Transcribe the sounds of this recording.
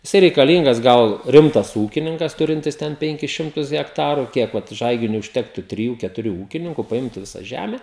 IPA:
jɪˈsɐɪ rʲɛɪkɐˈlʲiːŋɡɐs ˈɡɐlˠ ˈrʲɪmtɐs ˈuːkʲɪnʲɪŋkɐs ˈtʊrʲɪnʲtʲɪs ˈtʲɛn ˈpʲɛŋʲkʲɪs ˈʃʲɪmtʊs ɣʲɛkˈtɑːrʊ ˈkʲiɛk ʋɐt ˈʒɐɪɡʲɪnʲʊɪ ʊʃʲˈtʲæːktʊ tʲrʲɪˈjuː kʲɛtʊˈrʲuː ˈuːkʲɪnʲɪŋkʊ pɐˈɪmtʊ ˈʋʲɪsɐ ˈʒʲæmʲɛ

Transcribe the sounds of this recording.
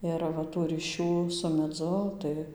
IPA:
ˈɪr ʋɐ ˈtuː rʲiːˈʃʲuː sʊ mʲɛˈd͡zʊ tɐɪ

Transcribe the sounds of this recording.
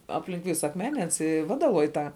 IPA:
ˈɑːpʲlʲɪŋk ˈʋʲɪsɐ ɐkˈmʲæːnʲɛ ˈɐns ɪ ˈʋɑːdɐlˠoːj ˈtɑː

